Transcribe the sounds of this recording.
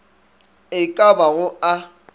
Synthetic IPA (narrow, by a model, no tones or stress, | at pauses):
ɪkʼabaɣʊa